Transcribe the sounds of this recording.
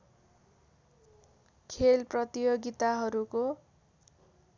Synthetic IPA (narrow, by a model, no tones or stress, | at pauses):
kʰelprʌt̪ijoɡit̪aɦʌɾuko